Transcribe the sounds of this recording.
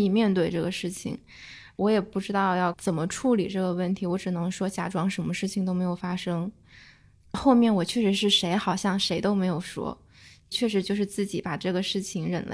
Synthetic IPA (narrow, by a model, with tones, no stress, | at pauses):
i˨˩mjɛ˥˧nt̪we˥˧ɪʈ͡ʂɤ˥˩ɡə˩ʂɻ̩˥˩t͡ɕʰḭ˨˩ŋ | wɔ˧˥jɛ˨˩pu˥˩ʈ͡ʂɻ̩˥t̪ɑ˥˧ʊjɑ˥˩ʊt͡sə˨˩nmə˦ʈ͡ʂʰu˥˩li˨˩ʈ͡ʂɤ˥˩ɡə˩wə˥˩nt̪ʰi˧˥wɔ˧˥ʈ͡ʂɻ̩˨˩nɤ˧˥ŋʂwɔ˥t͡ɕja̰˧˥ʈ͡ʂwɑ˥ŋʂə˧˥mə˧ʂɻ̩˥˩t͡ɕʰi˨˩ŋt̪o˥ʊme˧˥ɪjo˨˩fa˥ʂɤ˥ŋ | xo˥˧ʊmjɛ˥˩nwɔ˨˩t͡ɕʰɥɛ˥˩ʂɻ̩˧˥ʂɻ̩˥˩ʂe˧˥ɪxɑ˨˩ʊɕjɑ˥˩ŋʂe˧˥ɪt̪o˥ʊme˧˥ɪjo˨˩ʊʂwɔ̰˥ | t͡ɕʰɥɛ˥˩ʂ̬ɻ̩˧˥t͡ɕjo˥˧ʊʂɻ̩˥˧t͡sɹ̩˥˩t͡ɕi˨˥pa˨˩ʈ͡ʂɤ˥˩ɡə˩ʂɻ̩˥˩t͡ɕʰi˧˩ŋɻə̰˨˩nlḛ˧˥